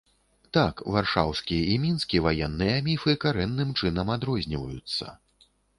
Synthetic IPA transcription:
t̪akvarʂawskʲijɐimʲinskʲivajɛnːɨjɐamʲifɨkaɾɛnːɨmt͡ʂɨnɐmad̪ɾɔzʲnʲivɐjut̪sːɐ̰

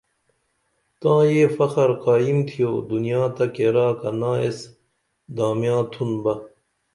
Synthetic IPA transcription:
t̪ãːjeːfɐxɐɾqaːimt̪ʰijoːd̪unijaːt̪ɐkeːɾaːkɐnaːes | d̪aːmijãːt̪ʰunbɐ

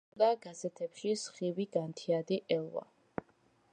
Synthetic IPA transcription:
d̪aɡ̥azɛt̪ʰɛpʃisχiwiɡ̥ant̪ʰiad̪iʔɛlˠwa̰

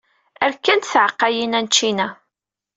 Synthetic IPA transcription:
æɾkːænt̪θʕəqːɑjinænt͡ʃːinæ

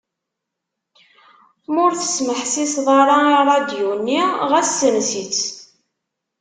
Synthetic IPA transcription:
mʊɾθə̥sməħsisðˤɑɾˤɑiɾˤɑd̪junːiʁæsːənsit͡s

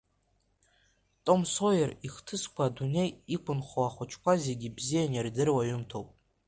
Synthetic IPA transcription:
tʼo̞msojariχtʰɨskʷʰadune̞jikʷʰʊnχʷoaχʷʊt͡ʃʰkʷʰazeɡʲibzijanardɨrwaɥʏmtʰowpʼ

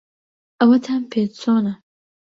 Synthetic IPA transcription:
ʔɐwɐt̪ʰaːnpʰeːt͡soːnɐ

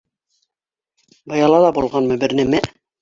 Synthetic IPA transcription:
bɤ̆jɑlˠɑlˠɑbulˠʁɑnmɤ̆bɘ̆ɾnɘ̆mæ

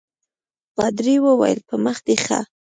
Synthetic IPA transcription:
qɑd̪ɾiwəwa̰jə̰lpəməxd̪exa̰

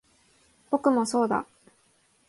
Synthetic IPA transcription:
b̥o̞kɯ̟mo̞so̞ːd̪a̰

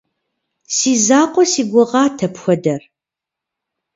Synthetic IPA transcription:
siːzaːqʷʼɔsiːɡʷʊʁɑːtʰɐpxʷɔdɐr

